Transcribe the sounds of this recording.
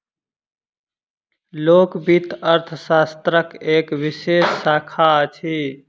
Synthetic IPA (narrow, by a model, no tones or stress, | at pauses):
lokbit̪əɾt̪ʰəsast̪ɾəkeːkʋisesːaːkʰat͡ʃʰi